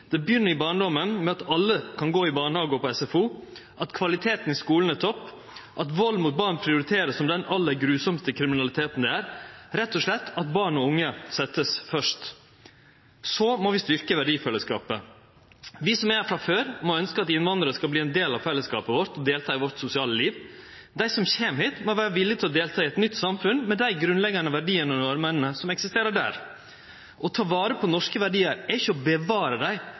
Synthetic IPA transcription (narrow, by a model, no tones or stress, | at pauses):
d̪̥ɛbjʏnːəɾɪbɑːɳɖɔmənmɛɑt̪ɑlːəkʰɑnɡoːɪbɑːɳhɑːɡəɔpɔɛsɛfuː | ʔɑt̪kʰʋɑlɪt̪ʰeːt̪n̩ɪskuːln̩ɛt̪ʰɔpː | ʔɑt̪ʋɑlːmuːt̪̚bɑːɳpʰɾɪʊɾɪt̪ʰeːɾəssɔmd̪ɛnɑlːəɾɡɾʉːsɔmst̪əkʰɾɪmɪnɑlɪt̪ʰeːt̪n̩d̪ɛæːɾɾɛt̪ːɔʂlɛt̪ːɑt̪̚bɑːɳɔʊŋːəsɛt̪ːəsfœʂt̪ | sɔmɔʋɪst̪ʏɾkəʋæɖiːfɛlːəskɑ̰ːpə | ʋɪsɔmɛfɾɑføːɾmɔœnskəɑt̪ɪnʋɑnd̪ɾəskɑbliːɛnd̪eːlɑʋfɛlːəskɑ̰ːpəʋɔɾt̪ɔd̪eːlt̪ʰɑːɪʋɔɾt̪sʊsɪɑːləliːʋ | d̪æɪsɔmçeːmheːt̪mɔʋæːɾəʋɪlːɪt̪ʰɪlɔd̪eːlt̪ʰɑːɪɛt̪nʏt̪ːsɑmfʉnmɛd̪æɪɡɾʉnlɛɡɑnəʋæɖiːənɔnʊɑɾmənənəsɔmɛksɪst̪eːɾəɖæ̰ːɾ | ʔɔt̪ʰɑːʋɑːɾəpʰɔnɔʂkəʋæɖiːəɾɛɪçəɔbəʋɑːɾəd̪æɪ